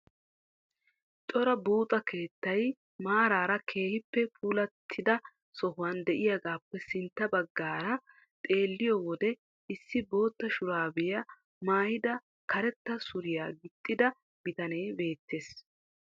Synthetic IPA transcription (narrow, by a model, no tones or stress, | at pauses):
t̪ʼɔɾɐbuːt̪ʼɐke̞ːt̪ːɐj | maːɾaːɾɐkʰe̞ːhɪpːɛpʰʼuːlɐt̪ʰːɪd̪ɐ | sɔhʊwand̪ɛʔɪjaɡaːpːɛsɪnt̪ːɐbɐɡːaːɾɐ | t̪ʼe̞ːlːɪjɔwɔd̪ɛ | ɪsːɪbo̞ːt̪ːɐʃʊɾaːbɪjɐ | maːjɪd̪ɐ | kɐɾɛt̪ːɐsʊɾɪja̰ːɡɪt̪ʼːɪd̪ɐ | bɪt̪ɐne̞ːbe̞ːt̪ːe̞ːs